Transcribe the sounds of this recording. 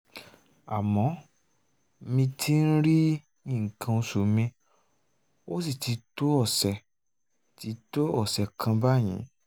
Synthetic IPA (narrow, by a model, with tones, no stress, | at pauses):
a̰˨mɔ̃˨˦ | mĩ˧tʰi˦n̩˦ɾi˦ | ɲĩ˦˨ŋ̩˨kʰã˧o˧su˨mĩ˧ | o˦si˦˨ti˧˦to˦ɔ˦˨sɛ˨ | ti˨˦to˦ɔ˦˨sɛ˨kʰã˧ba˦˨j̃ĩ˨˦